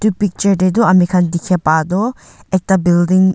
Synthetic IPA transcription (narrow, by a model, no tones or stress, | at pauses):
t̪upik̚t͡ʃəɾded̪uamikʰand̪ikʰɛpad̪ɔ | ɛk̚t̪abildiŋ